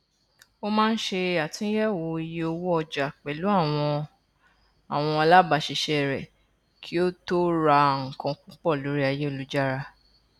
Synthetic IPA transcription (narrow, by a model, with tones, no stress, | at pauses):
o˦mãː˦n̩˦ʃe˧a˨tĩ˧˦jɛ˦˨wo˧i˧je˧o˧wo˦ɔ˧d͡ʒa˨k͡pɛ˨lu˨˦a˦˨wɔ̃˧ | a˨w̃ɔ̃˧a˧la˦ba˨ʃi˨ʃɛ˧ɛ˨ɾɛ˨ | kʰi˦o˦to˦ɾa˧ŋ̩˨kã˧k͡pũ˦k͡pɔ˦˨lo˨˦ɾi˦a˧je˦o˦˨lu˨˦d͡ʒa˦ɾa˧